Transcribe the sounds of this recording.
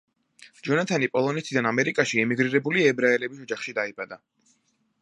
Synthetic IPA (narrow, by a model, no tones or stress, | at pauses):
d͡ʒɔnat̪ʰanipʼɔlˠɔnɛt̪ʰid̪anamɛɾikʼaʃiɛmiɡɾiɾɛbuliɛbɾaɛlɛbisɔd͡ʒaχʃid̪aibad̪a